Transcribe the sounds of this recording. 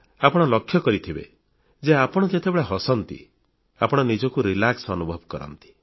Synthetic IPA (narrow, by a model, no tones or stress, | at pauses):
apɔɽ̃ɔlɔkʰːjɔkɔɾit̪ʰibḛ | d͡ʒeapɔɽ̃ɔd͡ʒet̪ebeɭaɦɔsɔnt̪ḭ | a̰pɔɽ̃ɔnid͡ʒɔkuɾilaksɔnubʱɔbkɔɾɔ̰nt̪i̥